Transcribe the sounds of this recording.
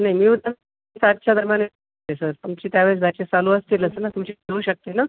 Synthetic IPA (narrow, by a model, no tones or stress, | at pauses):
naimiːud̪ə | sad̪̚t͡ɕʰad̪ʱəɾmjane | esəɾpəŋt͡ɕiːt̪jaʋes̬d̪ʱat͡ɕesaluəst̪iləsəɾnat̪umt͡ɕiəuːɕək̚t̪ena